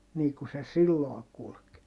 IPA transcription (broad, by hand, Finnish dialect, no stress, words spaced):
niː ku se silːoː kulk